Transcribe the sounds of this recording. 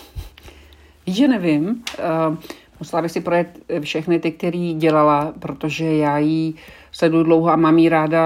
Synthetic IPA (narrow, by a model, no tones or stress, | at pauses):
viːʒɛnɛvɪm | musɛlabɪxsɪpɾojɛt̪fʃɛxnɪt̪ɪk̚t̪ɛɾiːɟɛlalapɾo̞t̪oʒɛjaːjiː | slɛdudlowɦoamaːmiːɾaːda